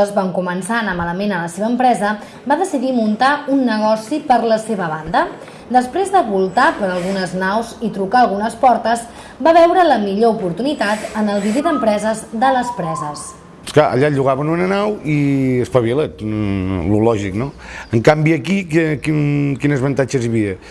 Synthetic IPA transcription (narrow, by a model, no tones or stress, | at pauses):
əzβaŋkumənsanəmaləmenələseβəːmpɾɛzə | baðəsiðimunt̪aunːəɣ̞ɔsipəɾləseβəβand̪ə | d̪əspɾezðəβulˠt̪apəɾəlˠɣunəznawzit̪ɾukaəlˠɣunəspɔɾt̪əz | baβɛwɾələmiʎoupuɾt̪unit̪at̪ənəlˠβiðiðəmpɾɛzəzðələspɾɛzəs | sklaʔə̰ʎaʎuɣaβənunənawiəspəβilet̪lulɔʒiknoəŋkambiəkikɛkinkinəzβənt̪at͡ʃəzjəβiə